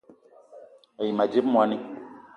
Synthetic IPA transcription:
ɛ˨ji˨ma˨d͡ʒe˦pmu˦a˦nĩ˦

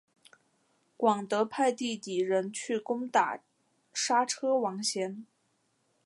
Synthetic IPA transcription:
kwɑ˨˩ŋt̪ɤ˧˥pʰa˥˧ɪt̪i˥˩t̪i˨˩ɻə˧˥nt͡ɕʰy˥˩kʊ˥ŋt̪a̰˨˩ | ʂa˥ʈ͡ʂʰɤ˥wɑ˧˥ŋɕjɛ˧˥n

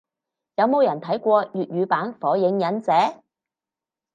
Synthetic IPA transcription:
jɐ˨˧wmo˨˧wjɐ˨˩nt̪ʰɐ˨˥jkʷɔː˧jyː˨t̚jyː˨˧paː˨˥nfɔː˨˥jɪ˨˥ŋjɐ˨˥nt͡sɛː˨˥

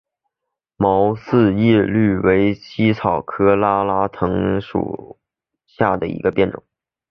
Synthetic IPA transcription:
mɑ˧˥ʊsɹ̩˥˧jɛ˥˧ly˥˩we˧˥ɪt͡ɕʰi˥t͡sʰɑ˨˩ʊkʰɤ˥la˥la˥t̪ʰɤ˧˥ŋʂṵ˨˩ | ɕja˥˩d̪ə˩ḭ˧˥ɡə˧pjɛ˥˩nʈ͡ʂʊ̰˨˩˦

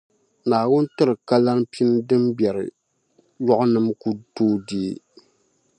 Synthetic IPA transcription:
naː˨wʊ˦n̩˦tɨ˦ɾɨ˨ka˦la˦npi˦n˦dɨ˦mbjɛ˨ɾɨ̰˨ | jɔ˦ʔʊ˦nɨ˦mku˦toː˦diː˦˨

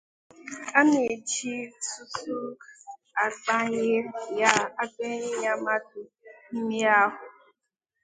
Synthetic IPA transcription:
a˦ne˨d͡ʒi˦su˦tu˦ | a˨ɡ͡ba˦ɲɪ˦ja˦a˦ɡ͡be˦ɲɪ˦ɲa˦ma˦tʊ˨ | m̩˦mi˦a˦ɦʊ˨

